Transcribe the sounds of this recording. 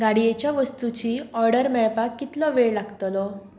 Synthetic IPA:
ɡaɽijet͡ɕjaʋəst̪ut͡ɕiːɔɾɖəɾmɛɭpakːit̪lɔʋeɭlaɡt̪lɔ

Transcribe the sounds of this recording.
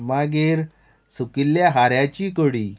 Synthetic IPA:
maɡeɾ | sukilːjaɦaɾjat͡ɕiːkəɽiː

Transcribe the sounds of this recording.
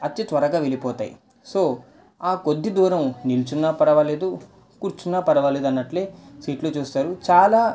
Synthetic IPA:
ɐt̪ːit̪ʋɐɾɐɡaːʋelipɔːt̪a̰ːjḭ | so̞ː | aːkod̪ːid̪uːɾɐmnilt͡ʃunːapɐɽɐʋaːle̞ːd̪u | kuːɾt͡ʃunːapɐɽɐʋaːleːd̪ɐnːɐʈleːsiːʈloːt͡ʃuːst̪aːɾut͡ʃaːlaː

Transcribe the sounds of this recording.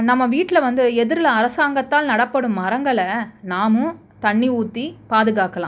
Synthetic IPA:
nɐmːɐʋiːʈːɪlɐʋɐnd̪ɯɛðɯɾɯlɐɐɾɐsaːŋɡɐt̪ːaːlnɐɽɐpːɐɽɯmːɐɾɐŋɡɐɭɐnaːmɯ̃ | t̪ɐɳːiuːt̪ːipaːðɯɣaːkɐlã̰ː

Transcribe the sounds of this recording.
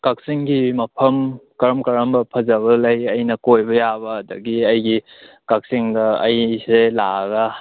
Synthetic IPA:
kak̚siŋɡimɐpʰɐmkɐɾɐmkɐɾɐmbɐpʰɐzaβɐlɐjɐjnɐkojbɐjabɐɐdɐɡiɐjɡi | kak̚siŋdɐɐ̰jselaɡa

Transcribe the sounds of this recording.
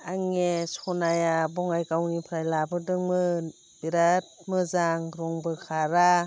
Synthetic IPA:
aŋesɔnajabɔŋajkawnipʰɾajlabɯdɯŋmɯ | b̥iɾat̚mɯzaŋɾɔŋbɯkʰaɾa

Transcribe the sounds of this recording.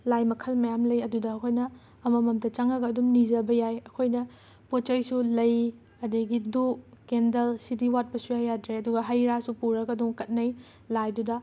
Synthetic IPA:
lajmɐkʰɐlmɐjamlɐjɐdudɐɐkʰojnɐː | mɐmɐmdɐt͡ʃaŋɐɡɐːdumnizɐbɐjajɐkʰojnɐ | pot͡ʃɐjsulɐj | ɐdɐɡidukkendɐlsidiwat̚pɐsujajːadɾeɐduɡɐɦajɾasupuɾɐɡɐdumkɐt̚nɐj | lajdudɐ

